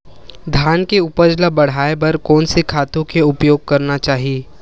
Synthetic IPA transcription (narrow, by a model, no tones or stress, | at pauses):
d̪ʱjaːnkeʊpəd͡ʒlabɐɽ̤aːebɐɾkɔːnsikʰaːt̪õkeʊpjoːɡ̚kɐɾnat͡ʃaːɦieː